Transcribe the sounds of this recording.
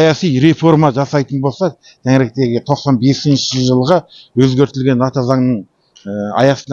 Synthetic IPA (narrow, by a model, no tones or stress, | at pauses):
jɑsijɾe̞fo̞ɾmɑʒɑsɑjt̪ənbo̞lˠsɑ | t̪ʰæŋɪɾek̚t̪e̞ɡʲɪt̪ʰo̞qsɑnbe̞sɪnʃɪʒəlˠʁəwɵzɡʲe̞ɾt̪ɪlɡʲe̞nɑt̪ɑzɑŋnəɴ | əɑ̰jɑsən